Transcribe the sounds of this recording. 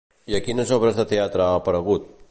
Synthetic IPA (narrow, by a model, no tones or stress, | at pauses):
jɐkiːnɐsobɾɐst̪ɐt̪ʰɐjaːt̪ɾaːpɐɾɐɣut̪̚